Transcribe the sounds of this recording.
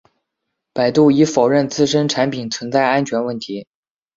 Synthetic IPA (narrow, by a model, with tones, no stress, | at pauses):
pa˨˩ɪt̪u˥˩i˧˥fo˨˩ʊɻə˥˩nt͡sɹ̩˥˧ʂ̬ə˥nʈ͡ʂʰa˧˥npʰi˨˩nt͡sʰwə˧˥nt͡sa˥˩ɪa˥nt͡ɕʰɥɛ˧˥nwə˥˩nt̪ʰi˧˥